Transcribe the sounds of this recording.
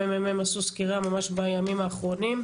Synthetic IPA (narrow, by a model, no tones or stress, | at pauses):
emememasuskiʁamamaʃbajamimaːχʁo̞nim